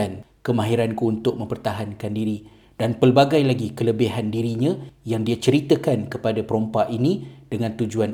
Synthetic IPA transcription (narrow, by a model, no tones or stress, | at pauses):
ankəmãɦiɾankuunt̪ʊk̚mə̃mpərt̪aɦankandiɾi | d̥anpəlbaɡajlaɡikələbeɦandiɾiɲãjaŋdiat͡ʃəɾit̪əkankəpadapəɾompaʔinĩd̥əŋãnt̪ud͡ʒuan